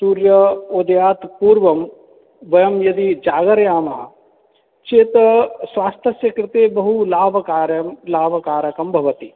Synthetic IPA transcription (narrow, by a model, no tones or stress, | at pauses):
suːɾjɐod̪ɐjaːt̪puːɾʋɐm | ʋɐjɐmjɐd̪id͡ʒaːɡɐɾjaːma̰ː | t͡ʃeːt̪sʋaːst̪ʰjɐsjɐkɾɪt̪eːbɐɦulaːbɐkaːɾjɐmlaːʋɐkaːɾɐkɐmbʱɐʋɐt̪i